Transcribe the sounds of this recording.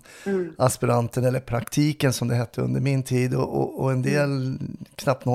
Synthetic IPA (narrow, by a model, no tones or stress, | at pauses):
ʔaspɪɾant̪ənɛlːəɾpʰɾakt̪ʰiːkənsɔmd̪ɛɦɛt̪ʰːəɵ̰nd̪əɾmɪnt̪ʰiːd̪ɔʔɔ̰ːɛnd̪eːlkʰnap̚t̪no